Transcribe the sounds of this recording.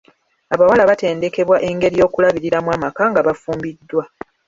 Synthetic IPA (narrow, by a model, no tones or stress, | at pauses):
aβawalaβate̞ːnde̞ke̞βwaʔe̞ŋɡe̞ɾijo̞ːkulaβiɾiɾamwaːmakaŋɡaβafuːmbidːwa